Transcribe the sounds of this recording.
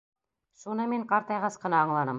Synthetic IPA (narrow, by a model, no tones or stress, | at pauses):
ʃunɤmiɴqɑɾt̪ɑjʁɑsqɤ̆nɑːɴlˠɑnɤm